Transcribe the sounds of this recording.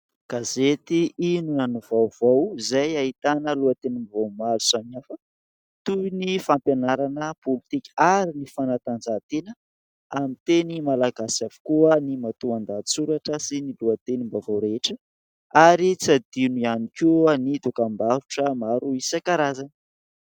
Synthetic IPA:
ɡ̥azet̪iinunanuvawv̥awzajaɦit̪anəluat̪enimbavamalu̥samiafə | t̪unifampjanaɾanəpolit̪ikʲaɾinifanat̪and͡zat̪enə | amit̪enimalaɡasavu̥kuənimat̪uand̪at͡suɾaʈ͡ʂəsiniluat̪enimbavawɾeʈ͡ʂə | aɾit͡sad̪inianikuanid̪ukambaɾuʈ͡ʂəmaɾuisakaɾazan

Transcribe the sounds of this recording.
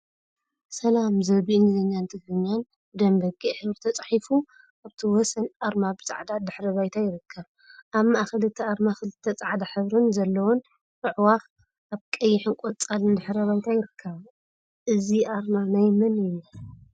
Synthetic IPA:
sɐlamzɐβiʔnzɨɲːant̪ʰɨɡɾɨɲːan | d̪ɐmbɐɡʼiħɨβɾɨt̪ʰɐt͡sʼḁħifu | ʔaβt̪ʰiwɔsɐnʔaɾmabɨt͡sʼa̰ʕd̪ad̪ɨħɾɐβajt̪ʰajɪɾɨkʰːɐβ | ʔaβmaʔaxɨlɨt̪ʰːɐʔaɾmaxɨlɨt̪ʰːɐt͡sʼaʕd̪aħɨβɾɨnzɐlːɐwɔn | ʔɨʕwax | ʔaβkʼɐjːɪħɨnkʷʼɔt͡sʼalɨnd̪ɨħɾɐβajt̪ʰajɪɾɨkʰːɐβ | ʔɨziʔaɾmanajmɨnɨni

